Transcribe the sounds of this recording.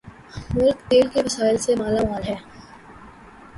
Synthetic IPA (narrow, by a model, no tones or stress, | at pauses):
mʊɾkt̪eːlkeʋɐsaːɪlsemaːlaaːlɦɛː